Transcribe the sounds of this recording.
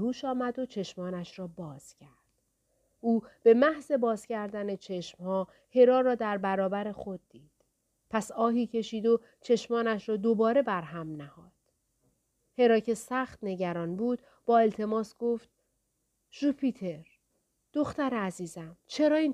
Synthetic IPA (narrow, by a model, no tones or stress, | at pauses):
huːʃɒːmæd̪o̞t͡ʃʰe̞ʃmɒːnæʃɾɒːbɒːz̥cʰæɾd̪̥̚ | ʔuːb̥e̞mæhze̞bɒːzcæɾd̪æne̞t͡ʃʰe̞ʃmhɒː | he̞ɾɒːɾɒːd̪æɾbæɾɒːbæɾe̞xod̪̚ːiːd̪̥ | pʰæsɒːɦiːcʰe̞ʃiːd̪o | t͡ʃʰe̞ʃmɒːnæʃɾɒːd̪obɒːɾe̞bæɾɦæmnæhɒːd̪̥ | he̞ɾɒːcʰe̞sæxt̪ne̞ɟæɾɒːnbuːd̪̥ | b̥ɒːe̞lt̪ʰe̞mɒːsɡ̥oft̪̚ | ʒ̥upʰit̪ʰe̞ɾ | d̪̥o̞xt̪æɾeæziːzæmt͡ʃʰe̞ɾɒːiːn